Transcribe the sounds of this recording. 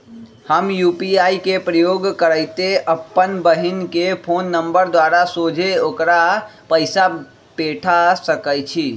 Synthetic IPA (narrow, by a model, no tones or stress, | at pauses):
həmjupiaikepɾəjoɡkəɾəjt̪eʔəpːənbəɦinkepʰonːəmbəɾd̪waɾasod͡ʒʱeokɾapəɪsa | peʈʰasəkəjt͡ʃʰi